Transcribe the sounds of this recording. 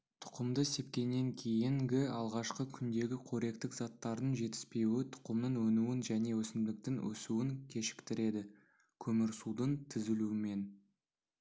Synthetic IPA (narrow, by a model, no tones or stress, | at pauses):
t̪ʰʊ̥qəmd̪əse̞p̚kʲe̞nːe̞ŋkʲʰe̞jɪŋɡʲɪɑlˠʁɑʃqəkʲʰʏnd̪e̞ɡʲɪqʰoɾe̞kt̪ɪkzɑt̪ːɑɾd̪əɴʒe̞t̪ɪ̥spe̞wɪt̪ʰʊ̥qəmd̪əɴwɵnuwɪnʒæne̞wɵsɪmd̪ɪk̚t̪ɪŋwɵ̰suwɪŋkʲʰe̞ʃɪ̥kt̪ɪɾe̞d̪ɪ | kʲʰɵmɪɾsud̪ənt̪ʰɪzɪluɪme̞n